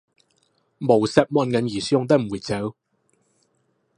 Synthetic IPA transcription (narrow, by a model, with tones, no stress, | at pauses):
mo˨˩wsɛ˧˥p̚mɔː˧nkɐ˨njiː˨˩sʊ˧ŋt̪̬ɐ˥m̩˨˩wu˨˩t͡sɛ˨˥w